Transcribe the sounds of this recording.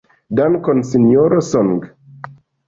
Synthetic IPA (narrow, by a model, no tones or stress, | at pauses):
dankɔnsinjoɾosɔŋɡ